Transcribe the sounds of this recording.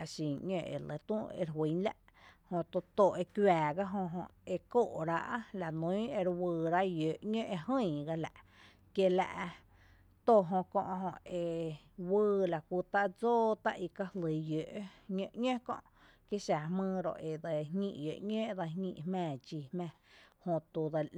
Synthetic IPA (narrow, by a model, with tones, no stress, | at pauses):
a˧ʃĩ˨ŋɲẽ˧ʔḛ˨le˧˦t̪ũ˦˧ḛ˧ɾɦwi˨˦la̰˦˧ʔ | hõ˧t̪o˧t̪o˨ʔe˧kwaː˨ɡa˦ɦõ˧ɦõ˧e˧ko˦˨ʔɾa˧ʔla˨nũ˨˦e˧ɾwɨː˧ɾa˦ʔjø˨ʔɲə̃˦ʔe˧hə̃˦˧˨ɡa˧la̰˨ʔ | kje˧la̰˧ʔ | t̪o˧˨ɦõ˧kõ˧ʔɦõ˧e˧ | wɨː˧la˨ku˧t̪a˦ʔd͡zoː˦t̪a˦ʔi˧ka˧hlə˨˦jø˨ʔɲə̃˧ʔɲʲẽ˦kõ̰˧ʔ | kje˦ʃa˨mɨ̃ː˧ɾo̰˧˨ʔe˨d̪a˧ŋḭ̃˧ʔjø̰˨ʔɲẽ˦ʔd̪a˧ŋḭ̃˧ʔhmɛ̃ː˧˨d͡ʒiː˧˨hmɛ̃ː˧˨hõ˧t̪u˧d̪a˧